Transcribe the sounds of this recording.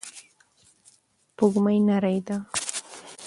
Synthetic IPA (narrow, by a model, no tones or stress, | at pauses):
pʊɢmajnaɾajt̪a